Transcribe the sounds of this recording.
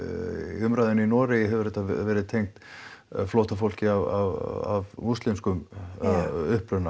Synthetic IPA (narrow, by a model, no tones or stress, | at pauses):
ʏmɾajðɪninɔːɾɪjɪɦɛvʏɾɛt̪ːavɛːɾɪðt̪ʰejŋkt̪flowht̪afowl̥cɪavava̰vmust̪lɪmskʏm | ʏhpɾʏna